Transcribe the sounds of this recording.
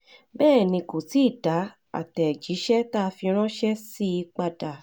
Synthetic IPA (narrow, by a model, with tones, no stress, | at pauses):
bɛː˦˨nĩ˧ko˨ti˨˦i˦˨d̥a˨˦ | a̰˦˨tɛ˨d͡ʒi˨˦ʃɛ˦ta˦˧fi˧ɾ̃ɔ̃˦ʃɛ˦si˦i˧k͡pa˧da˨